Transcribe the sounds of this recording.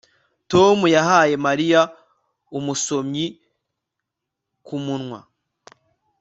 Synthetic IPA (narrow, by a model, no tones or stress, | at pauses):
to̞mujaɦaːje̞maɾija | umuso̞mɲi | kumunŋwa